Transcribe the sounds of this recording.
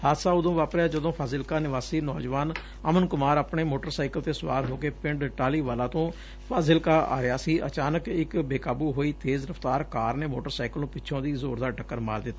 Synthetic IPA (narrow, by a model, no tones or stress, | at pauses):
haːt̪saːʊd̪õːʋaːpɾjaːd͡ʒəd̪õːpʰaːzɪlkaːnɪʋaːsiːnɔ̰ːd͡ʒʋaːn | əmənkʊmaːɾaːpɳeːmoːʈəɾsaːɪkəlt̪eːsʊʋaːɾɦoːkeːpɪ̃ɳɖʈaːliːʋaːlãːt̪õː | pʰaːzɪlkaːa̰ːɾɪjaːsiːʔə̰t͡ʃaːnəkɪkbeːkaːbuːɦoːiːt̪eːzɾəfʰt̪aːɾkaːɾneːmoːʈəɾsaːɪkəlnũːpɪʃʰõːd̪iːzoːɾd̪aːʈəkːəɾma̰ːɾd̪ɪt̪ːaː